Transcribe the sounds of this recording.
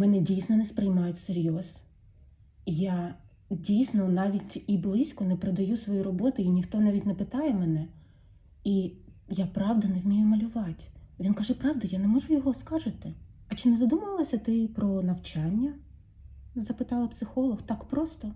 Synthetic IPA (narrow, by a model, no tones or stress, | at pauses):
mɛnɛdʲijsʲnɔnɛspɾɪjmɑjʊtʲseɾʲjɔz | ja | dʲijsʲnɔnɑʋʲitʲiblˠisʲkɔnɛpɾed̪ɐjusʋɔjiɾɔbɔt̪ʊinʲixt̪ɔnɑʋʲitʲnɛpɪt̪ɑjɛmɛnɛ | ijapɾɑʋd̪ɐnɛwmʲijʊmɐlʲʊʋɑtʲʋʲinkɑʒɛpɾɑʋd̪ʊjanɛmɔʒʊjɔɦɔskɑʒɪt̪ɪɐt͡ʃɪnɛzɐd̪umɐʋlˠɔsʲɐt̪ɪpɾɔnɐwt͡ʃɑnʲːɐ | zɐpɪt̪ɑlˠɐpsɪxɔlˠɔxt̪ɑkpɾɔst̪ɔ